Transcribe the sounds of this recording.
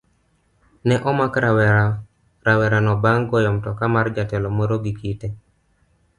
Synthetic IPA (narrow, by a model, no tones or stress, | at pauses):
nɛʔɔmakɾawɛa | ɾawɛɾanɔbaŋɡɔjɔmtɔkamard͡ʒatɛlɔmoɾoɡikitɛ